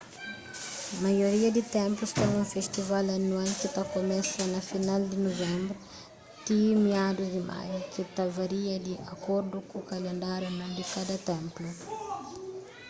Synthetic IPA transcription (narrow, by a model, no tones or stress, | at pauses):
majoɾiɐd̪it̪ɛ̃mplust̪ɛ̃ũfeʃt̪ivalɐnwalkit̪akomɛsɐnɐfinald̪inovẽmbɾu | t̪imiad̪uzd̪imʔa̰jkit̪avaɾiɐd̪iʔɐkoɾd̪ukukalẽnd̪aɾjunãd̪ikad̪ɐt̪ẽmplu